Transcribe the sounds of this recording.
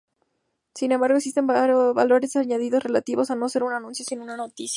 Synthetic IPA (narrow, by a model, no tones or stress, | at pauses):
sinembaɾɣeksist̪e̞mβa̰lo̞ɾe̞saɲaðiðo̞sre̞lat̪iβo̞sano̞se̞ɾunanũnsjosinunano̞t̪isja